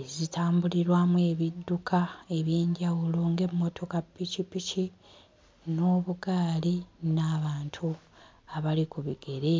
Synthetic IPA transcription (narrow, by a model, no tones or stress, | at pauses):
ezitʰaːmbuliɾwamuwe̞βidːukʰae̞βjiːɲɟawuloŋɡe̞mːo̞tʰo̞kapːicipici | no̞ːβuɡaːlinaβaːntʰu | aβalikuβiɡe̞ɾe̞